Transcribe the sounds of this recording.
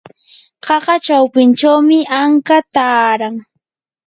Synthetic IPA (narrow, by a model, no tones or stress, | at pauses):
ɢɑɢɑt͡ʃawpɪnt͡ʃawmɪʔaŋkat̪aːɾaŋ